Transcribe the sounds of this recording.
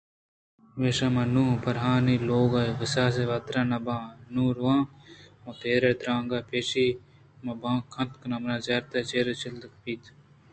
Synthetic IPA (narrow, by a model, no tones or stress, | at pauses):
meːʃamɐnuːpɐɾɦaːniloːɡaʋɐsaːs̬eʋɐt̪ɾaːnɐbãːnũːɾwãːmot̪eːɾet̪ɾãːŋɡaːpeːʃi | mɐbãːkʰːɐnt̪knɐmnaːzɐɾt̪ɐt͡ʃeːɾet͡ʃɪld̪kpiːt̪